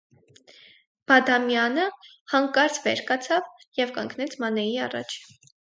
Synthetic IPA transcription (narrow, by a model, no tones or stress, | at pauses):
b̥ɑd̪ɑmjɑnə | hɑŋkɑɾt͡svɛ̰ɾkɑt͡sʰɑv | jɛvkɑ̰ŋkʰnɛt͡sʰmɑnɛjiɑ̰rɑ̰t͡ʃʰ